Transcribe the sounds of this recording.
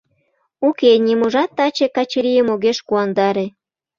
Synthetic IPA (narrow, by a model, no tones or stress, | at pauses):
ukenʲimuʒɑt̪ːɑt͡ɕekɑt͡ɕeɾijəmoɣeʃkuɑnd̪ɑɾe